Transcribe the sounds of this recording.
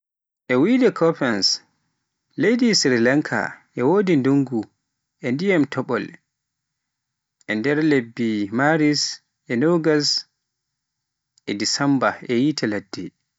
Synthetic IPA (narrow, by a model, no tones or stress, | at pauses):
ʔɛwidɛkʰɔpɛns | lejdisɾilaŋkʰa̰ʔɛwoːdinduŋɡu | ʔɛndijamtɔɓɔl | ʔɛndɛɾlebːimaɾis | ʔɛnoɡas | ʔɛdisambaʔɛjitʰɛladːɛ